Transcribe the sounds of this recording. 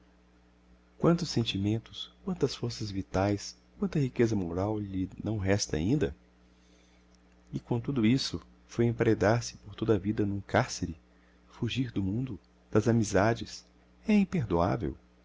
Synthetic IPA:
kwɐ̃nt̪ʊsːẽnt͡ʃimẽnt̪ʊ̥skwɐ̃nt̪ɐsfoɾsɐzvit̪ajs | kwɐ̃nt̪ɐhikezɐmoɾawʎɪnɐ̃w̃ɦɛst̪ɐa̰ĩnd̪ɐ̰ | ɪkõt̪ud̪ʊisʊ | fojẽpɾed̪aɾsɪ̥poɾt̪od̪ɐvid̪ɐnũkaɾseɾɪ | fuʒiɾd̪ʊmũnd̪ʊ | d̪̥ɐzamizad͡ʒɪs | ɛĩpeɾd̪ua̰vḛw

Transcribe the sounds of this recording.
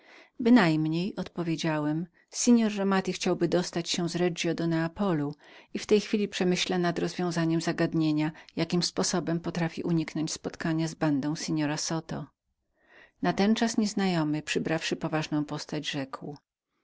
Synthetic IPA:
bɘnajmɲejɔt̪pɔvʲjed͡ʑawɛm | siɲɔɾːamat̪ʲixt͡ɕawbɘd̪ɔst̪at͡ɕɕɛ̃zɾɛd͡ʐjɔd̪ɔnɛapɔluift̪ɛjxfʲilʲipʂɛmɘɕlanad̪ɾɔzvʲjɔ̃w̃zaɲɛmzaɡad̪ɲeɲajakʲimspɔsɔbɛmpɔt̪ɾafʲḭʔuɲiknɔɲt͡ɕspɔt̪kaɲazband̪ɔ̃w̃sɛɲɔɾasɔt̪ɔ̰ | nat̪ɛnt͡ʂasɲɛznajɔmɘpʂɘbɾafʂɘpɔvaʐnɔ̃w̃pɔst̪ad͡ʑʐɛkw

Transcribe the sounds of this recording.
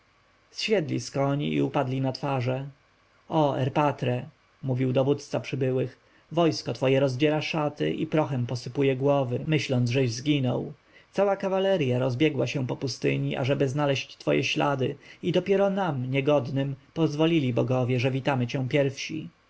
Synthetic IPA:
sɕɛd̪lʲḭskɔɲḭḭupad̪lʲinat̪faʐɛ | ɔɛ̰ɾpat̪ɾɛ | muvʲiwd̪ɔvut̪st̪sapʂɘbɘwɘx | vɔjskɔt̪fɔjɛɾɔzd͡ʑɛɾaʂat̪ɘ̰ʔipɾɔxɛmpɔsɘpujɛɡwɔvɘmɘɕlɔnd̪zʐɛʑzɡʲinɔw | t̪sawakavalɛɾjaɾɔzbʲjɛɡwaɕɛ̃pɔpust̪ɘ̰ɲiʔa̰ʐɛbɘznalɛɕt͡ɕt̪fɔ̰jɛ̰ɕlad̪ɘid̪ɔpʲjɛɾɔnamɲɛɡɔd̪nɘmpɔzvɔlʲilʲibɔɡɔvʲjɛʐɛvʲit̪amɘt͡ɕɛ̃pʲjɛɾfɕḭ

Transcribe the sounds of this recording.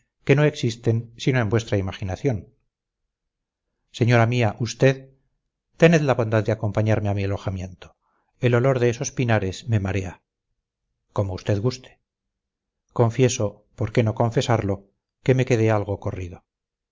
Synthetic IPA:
ke̞no̞e̞ksist̪e̞nsino̞embwe̞st̪ɾaimaχinaθjo̞n | se̞ɲo̞ɾamiaʔust̪e̞ð | t̪e̞neðlaβo̞nd̪aðd̪eako̞mpaɲaɾme̞amialo̞xamje̞nt̪o̥ | e̞lo̞lo̞ɾðe̞eso̞spinaɾe̞sme̞maɾe̞a | ko̞moust̪e̞ðɣust̪e̥ | ko̞ɱfje̞so̞ | po̞ɾke̞no̞ko̞ɱfe̞saɾlo | keme̞ke̞ð̞e̞alɣ̞o̞ko̞riðo̞

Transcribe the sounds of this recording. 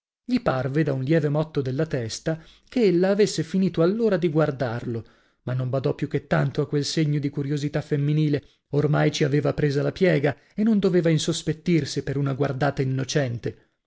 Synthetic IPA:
ʎiparved̪aunljɛːvemɔt̪ːod̪elːat̪ɛst̪a | keelːaːvesːefiniːt̪oalːoːɾad̪iɡward̪arlo | manːombad̪ɔpːjuk̟ːet̪ːant̪oakːwelseɲːod̪ikuɾjozit̪afemːiniːle | ormajt͡ʃiaveːvapɾeːzalapjɛːɡa | enːond̪oveːvainsospet̪ːirsipeɾunaɡward̪aːt̪ainːot͡ʃɛnt̪e

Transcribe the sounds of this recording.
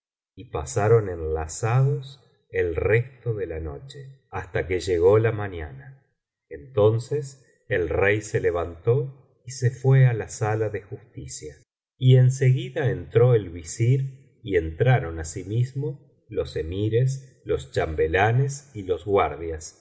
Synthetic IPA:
ipasaɾo̞nẽnlasaðos | elrest̪oðe̞lano̞̰t͡ʃe̥ | ast̪akeʒeɣo̞lamanana | ent̪o̞nses | elrejseleβ̞ant̪o̞ | isefwealasalaðexust̪isja | ie̞nse̞ɣiðaent̪ɾo̞elβisiɾ | ie̞nt̪ɾaɾo̞nasimizmo̞ | lo̞se̞miɾes̬ | lo̞st͡ʃambelanesilo̞zɣwaɾðjas

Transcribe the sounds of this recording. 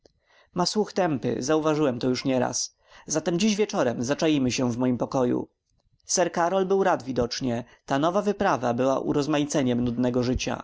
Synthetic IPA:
maswuxt̪ɛmpɘ̰zauvaʐɘwɛmt̪ɔjuʂɲɛɾa̰s | zat̪ɛmd͡ʑiʑvʲjɛt͡ʂɔɾɛmzat͡ʂajimɘɕɛvmɔjimpɔkɔjṵ | sɛɾkaɾɔlbɘwɾad̪vʲid̪ɔt͡ʂɲɛ | t̪anɔvavɘpɾavabɘwaʔṵɾɔzmajit̪sɛɲɛmnud̪nɛɡɔʐɘt͡ɕa̰

